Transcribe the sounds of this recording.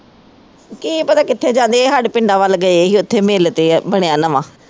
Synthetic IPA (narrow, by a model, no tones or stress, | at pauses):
kiːpət̪aːkɪt̪ʰːeːd͡ʒãːnd̪eːeːɦəɖpɪɳɖãːʋəlɡəeeːɦiːʊt̪ʰːeːmeːlt̪eːbəɽ̃ejãːnəʋãː